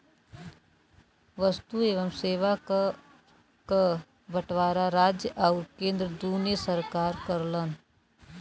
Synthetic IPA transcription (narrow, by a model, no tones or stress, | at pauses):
ʋəst̪ueːʋəmseːʋa | kə | bəʈʋaːɾaɾaːd͡ʒjəʔaʊɾkẽːnd̪ɾəd̪uːnesəɾkaːɾkəɾlən